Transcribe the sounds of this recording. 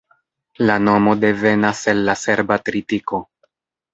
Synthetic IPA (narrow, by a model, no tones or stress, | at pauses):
lano̞mo̞de̞ve̞nase̞lːase̞ɾbatɾitiko̞